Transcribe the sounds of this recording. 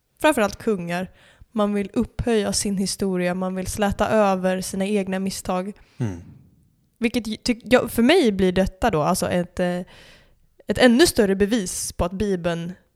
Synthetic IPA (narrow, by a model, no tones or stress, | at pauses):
fɾamfœɾalt̪̚kʰɵŋːaɾ | manvɪlɵphœjːasɪnhɪst̪uːɾɪamanvɪlslɛːt̪a̰ʔøːvəɾsiːnaeːɡnamɪst̪ʰɑːɡ | vɪlkːət̪ʰːʏjfœɾmɛjbliːɖɛt̪ːad̪ɔalsɔ̰ʔɛt̪ | ɛt̪ɛnːɵst̪œɾəbɛviːspʰɔat̪̚biːbən